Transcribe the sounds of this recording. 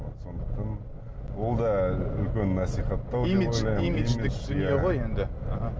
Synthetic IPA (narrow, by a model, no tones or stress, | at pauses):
so̞nd̪əq̚t̪ɑn | wolˠd̪ɑʏlkʲenːɑsiχɑt̪ːɑwdeiojlɑjimiimɪt̪ɪnjeʁojend̪ɪaɦɑ